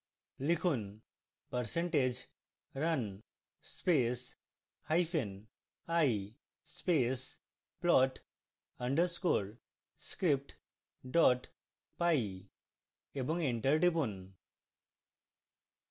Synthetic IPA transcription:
likʰun | pəɾseɳʈed͡ʑ | ɾən | spes | hajfʰen | aj | spes | plɔʈ | əɳɖəɾskoɽ | skɾip̚ʈ | ɖɔʈ | paji | ebɔŋɡeɳʈəɾɖipun

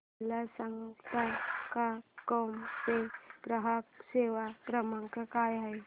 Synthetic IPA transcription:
lasaŋt̪akakɔmt̪eɡ̥ɾəɦaseʋakɾəmaŋkakajɦaj

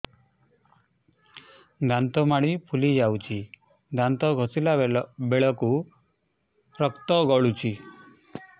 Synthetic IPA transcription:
ɡant̪ɔmaɽipʰulid͡ʒawt͡ʃʰi | ɡant̪ɔɡʱɔsilabeɭɔku | ɾɔkt̪ɔɡɔɭut͡ʃʰi

